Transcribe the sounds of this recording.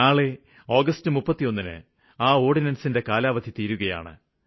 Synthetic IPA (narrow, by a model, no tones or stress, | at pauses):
aːɭe | o̞ːɡɐstɨmupːɐt̪ːijo̞nːinɨ̰ | aːo̞ːɽinɐnsinde̞kaːlaːʋɐd̪ʱit̪iːɾuɣɐja̰ːɳɨ̰